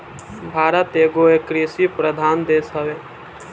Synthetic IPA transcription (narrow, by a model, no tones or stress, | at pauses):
bʱaːɾət̪eːɡoekɾisipɾəd̪ʱaːnd̪eːsɦəʋeː